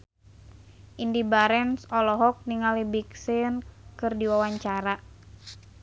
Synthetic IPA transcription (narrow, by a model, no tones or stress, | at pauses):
ʔindibaɾɛnsɔlɔɦɔk̚niŋalibiksɪnkɨrdiwawaɲt͡ʃaɾa